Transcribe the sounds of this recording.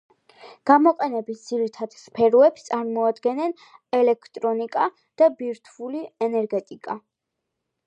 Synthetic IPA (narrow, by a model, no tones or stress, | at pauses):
ɡ̥amɔqʼɛnɛbisd̪z̥iɾit̪ʰad̪̥spʰɛɾɔɛpst̪sʼaɾmɔad̪ɡɛnɛn | ɛlɛkʰt̪ʼɾɔnikʼa | d̪̥abiɾt̪ʰvuliɛnɛɾɡɛt̪ʼikʼa̰